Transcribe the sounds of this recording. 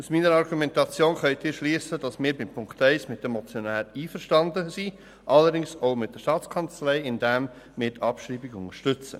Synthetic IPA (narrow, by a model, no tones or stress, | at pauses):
usmiːnəɾɑɾɡumɛntɑt͡sjoːnχœʏtɪːɾʃliːsəd̥ɑsmɪːɾbɪmpʰʊŋktɛɪsmɪt̚dɛmɔt͡sjonæːɾiːfəɾʃtɑndəsi | ʔɑlːəɾdɪŋsoʊmɪtd̥əʃtɑːtt͡skʰɑnt͡slɛɪɪndɛm | mɪːɾtʰɑpʃɾiːbiɡʊŋəʃtʏt͡sə̰